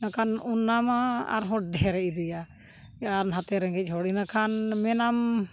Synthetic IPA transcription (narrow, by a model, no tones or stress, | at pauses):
nakʰanunːamaa̰ɾɦɔʈ̚d̪ɛɾɛʔid̪ɛja | ɛanɦat̪ɛɾɛŋɡɛc̚ˀɦɔɽinakʰanmɛnam